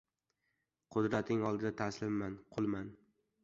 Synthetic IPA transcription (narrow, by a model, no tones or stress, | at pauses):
qʰʊd̪ɾat̪ʰɪŋɒlˠd̪ɪd̪at̪ʰaslɪmːanqʰʊlˠman